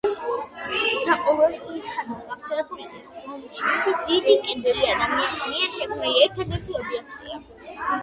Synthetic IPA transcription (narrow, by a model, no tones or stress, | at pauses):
saqʼɔlɛstɔɾit̪ʰkʰad̪alɡaχt̪sʰɛɾɛp̚ʰmid̪iʃinasʰisd̪id̪ikʼɛnd̪ɛbiad̪amianmianʃɛkʼuɾiiɛɾt̪ʰad̪ɛɾt̪ʰiɔbiɛk̚ʰt̪ʼḭa